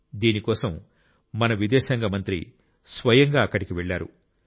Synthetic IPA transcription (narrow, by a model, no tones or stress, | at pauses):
d̪iːnikɔːsɐmː | ɐnɐʋid̪ɛːʃɐŋɡɐmɐnt̪ɾḭ | sʋɐjɐŋɡaːɐkːɐɽikiʋeɭːaːɾṵ